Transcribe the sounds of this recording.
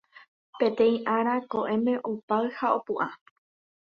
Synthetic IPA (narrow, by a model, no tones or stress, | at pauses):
pẽ̞t̪ẽ̞ĩʔaɾakoʔẽ̞mẽ̞ʔopaɨhao̞puʔa